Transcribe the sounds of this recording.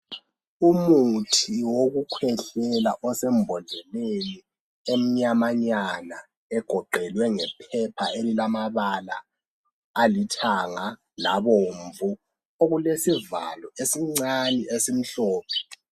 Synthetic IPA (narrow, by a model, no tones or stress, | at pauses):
umutʰiwoɣukʰwɛɬɛlaʔɔsɛmbʱɔnʱɛleni | em̩ɲamaɲana | ɛɡ̥ʱɔɡ͡ǃʱɛlwɛŋɛpʰɛpʰaelilamaβala̰ː | litʰaŋa | laβoɱvu | oɣulesiva̰lɔesiŋ͡ǀaniʔesim̩ɬɔːpʰɛ̥